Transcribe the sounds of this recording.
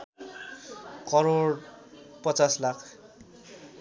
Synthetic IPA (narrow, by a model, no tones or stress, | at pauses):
kʌɾoɽ | pʌt͡saslakʰ